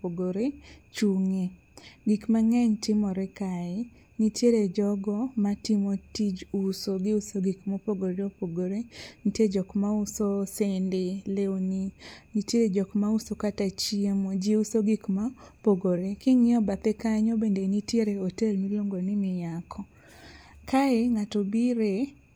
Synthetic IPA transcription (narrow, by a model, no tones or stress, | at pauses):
poɡoɾet͡ʃuŋe | ɡikmaŋɛɲtɪmɔɾɛkaɛ | nitjeɾed͡ʒɔɡɔmatimotid͡ʒusoɡɪusoɡikmopoɡoɾɔpoɡoɾenitjed͡ʒɔkmausosendeleoninitjeɾed͡ʒɔkmausokatat͡ʃiemod͡ʒeusoɡikmapoɡoɾekɪŋɪɔbat̪ekaɲɔbendenitjeɾeɔtelmiloŋɡonɪmɪjakʰɔ | kʰaeŋatobiɾe